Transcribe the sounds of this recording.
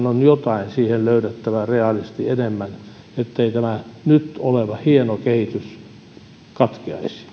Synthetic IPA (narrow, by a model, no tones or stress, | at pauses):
nonjot̪ɑinsiːhelløytet̪ːæʋæreɑlist̪ienemːæn | et̪ːeit̪æmænyt̪oleʋɑhienokehit̪ys | kɑt̪kiɑ̰isi̥